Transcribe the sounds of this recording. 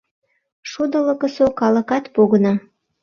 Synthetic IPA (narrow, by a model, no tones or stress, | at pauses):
ʃud̪ələ̆kə̆sokɑlə̆kɑt̪poɣənɑ